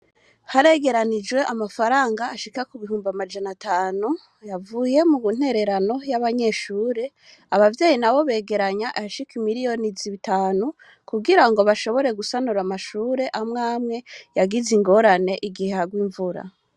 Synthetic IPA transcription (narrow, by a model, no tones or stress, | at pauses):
haɾe̞ɡe̞ɾanid͡ʒwe̞ʔamafaɾaːŋɡaːʃikakuβiɦuːmbamad͡ʒanatʰaːnu | javuːje̞muun̥e̞ɾe̞ɾano̞jaβaɲe̞ʃuːɾe̞ | aβavje̞ːjinaβo̞βe̞ːɡe̞ɾaɲaʔaʃikimiɾijo̞niziβitaːnu | kuɡiɾaŋɡo̞βaʃo̞βo̞ɾe̞ɡusanuɾamaʃuːɾe̞ʔamŋaːmŋe̞jaɡiziŋɡo̞ɾane̞ʔiɡiheaɡwiːɱvuɾa̰